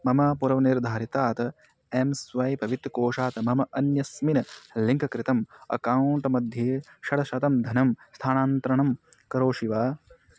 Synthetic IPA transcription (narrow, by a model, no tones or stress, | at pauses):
mɐmɐpuɾɐʋɐniɾd̪ʱaːɾit̪aːt̪ɐ | emsʋɐːjpɐʋit̪ɾɐkoːʂaːt̪ɐmɐmɐʔɐnjɐsminɐliŋkɐkɾit̪ɐmɐ̰kɐwɳʈmɐd̪ʱjeːʃɐɽɐʃɐt̪ɐmd̪ʱɐnɐmst̪ʰaːnaːnt̪ɾɐɳɐm | kɐɾoːʂiʋaː